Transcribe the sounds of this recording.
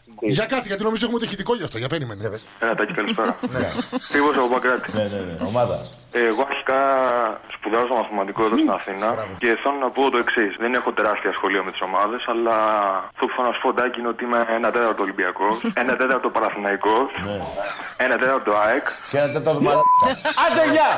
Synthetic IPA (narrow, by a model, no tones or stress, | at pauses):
ʝɐkɐt͡siʝɐt̪inoizoexumet̪ɐçit̪iko̞ʝɐɐft̪oʝɐpeɾimen | enɐt̪ɐci̥kɐlispeɾɐnep̪ɾiposɐpopɐkɾɐt̪i̥neneneomaðɐ̰ | eɣoɐɾçi̥kɐ | spuðɐsot̪omɐθimɐt̪iko̞eðost̪inɐθinɐɾɐce̞θononɐpot̪oe̞ksisðene̞xo̞t̪e̞ɾɐst̪iɐsxo̞liome̞t̪iso̞mɐðe̞sɐlɐθoθonɐsu̥pod̪ɐciineot̪iimeenɐt̪et̪ɐɾt̪olimbiɐko̞enɐt̪e̞t̪ɐɾt̪o̞pɐɾɐθinɐiko | e̞nɐt̪et̪ɐɾt̪ot̪oɐek | enɐt̪eɾt̪ɐɾt̪oɐɐd̪eɲɐ